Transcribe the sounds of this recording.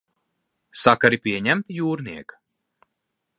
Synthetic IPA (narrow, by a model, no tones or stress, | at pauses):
sakaɾipʲiɛɲæmt̪juːɾniɛkḁ